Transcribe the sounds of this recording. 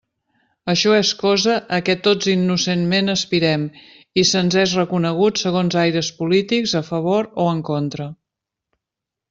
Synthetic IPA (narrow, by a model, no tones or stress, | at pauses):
əʃɔeskɔzəʔəkɛt̪od͡zinːusenmenəspiɾɛm | isənzɛzrəkunəɣ̞utsəɣ̞onzajɾəspulit̪ikzəfəβ̞oɾoəŋkont̪ɾə